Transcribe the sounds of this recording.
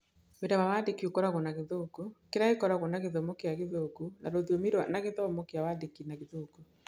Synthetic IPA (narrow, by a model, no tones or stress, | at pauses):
wedamawaːdekiokɔɾaɣonaɣeðoːkukeɾaekɔɾaɣonaɣeðomokeakeðokunaɾoðiomiɾwanaɣeðɔmɔkeawadekinaɣeðoːku